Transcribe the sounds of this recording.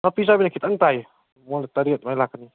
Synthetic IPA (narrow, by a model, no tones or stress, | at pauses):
napis̬abinakit̪aŋt̪aj | molt̪aɾiat̪̚majlakani